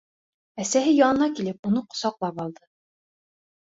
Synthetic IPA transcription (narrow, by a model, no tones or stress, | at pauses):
æsæhɘjɑnɤ̆nɑkilɘp̚unɤqŏ̥sɑqlˠɑpɑlˠd̪ɤ